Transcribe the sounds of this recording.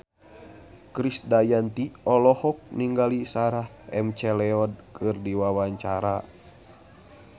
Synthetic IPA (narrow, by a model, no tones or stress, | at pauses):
kɾisdajant̪iɔlɔhɔk̚niŋɡalisaɾah | ɛmt͡ʃɛlɛɔd̚kʰɨrdiwawaɲt͡ʃaɾa